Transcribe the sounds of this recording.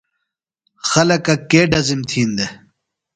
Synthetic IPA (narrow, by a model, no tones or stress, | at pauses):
xɐlɐkɐkeːɖɐzimt̪ʰiːnd̪e